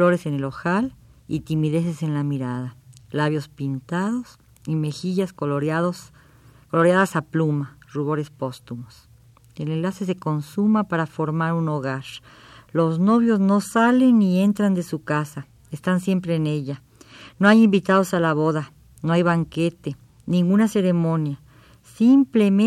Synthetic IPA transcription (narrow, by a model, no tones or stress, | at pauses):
o̞ɾe̞se̞ne̞lo̞xalḭt̪imiðe̞se̞se̞nlamiɾaðalaβjo̞spint̪aðo̞s | ime̞xiʝas | kolo̞ɾjaðasaplumaruβo̞ɾe̞spo̞st̪umos | ele̞nlase̞s̬e̞ko̞nsumapaɾafo̞ɾmaɾuno̞ɣaɾ | lo̞zno̞βjo̞zno̞sale̞nːie̞nt̪ɾand̪e̞sukasa | est̪ansje̞mpɾe̞ːne̞ʎa | noajimbit̪aðo̞salaβo̞ða | noajβaŋke̞t̪e̞ | nĩŋɡunase̞ɾe̞mõ̞nja | simple̞m